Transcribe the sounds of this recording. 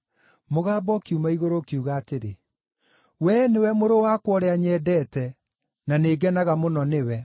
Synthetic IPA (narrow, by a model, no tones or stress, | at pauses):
moɣaːbɔkiumaiɣoɾokiuɣaːteɾe | wɛnewɛmoɾowakwɔɾɛaɲɛdɛtɛ | naneːɡɛnaɣamonɔnewɛ